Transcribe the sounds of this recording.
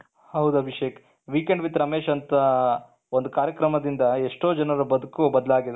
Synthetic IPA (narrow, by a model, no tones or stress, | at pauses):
hɐwd̪uɐbʱiʃeːk | ʋiːkeɳɖʋit̪ːɾɐmeːʃɐnt̪ɐ | o̞nd̪ukaːɾjɐkɾɐmɐd̪ind̪ɐeʂʈo̞ːd͡ʒɐnɐɾɐbɐd̪ukubɐd̪ɐlaːɡid̪